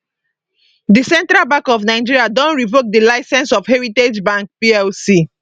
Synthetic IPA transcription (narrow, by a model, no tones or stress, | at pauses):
disɛ̃ntɾalbãŋkɔfnaɪd͡ʒiɹiadɔ̃nɹivok̚dilaɪsɛ̃nsɔfhɛɹited͡ʒbãŋkpiɛlsi